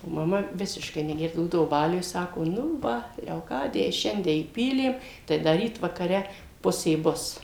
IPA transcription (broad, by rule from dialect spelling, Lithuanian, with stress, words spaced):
oː mɐˈmɐ ˈʋʲɪsʲɪʃkɐɪ nʲɛˈɡʲɛrdɐʋoː ˈbuːdɐʋoː ˈbɑːlʲʊj ˈsɑːkoː nʊ ˈʋɐ lʲɛoːˈkɑːdʲɪjɛɪ ˈʃʲɛnʲdʲiɛ iːˈpʲiːlʲeːm tɐɪ ˈdɐ ˈrʲiːt ʋɐkɐˈrʲɛ ˈpʊsʲeː ˈbʊs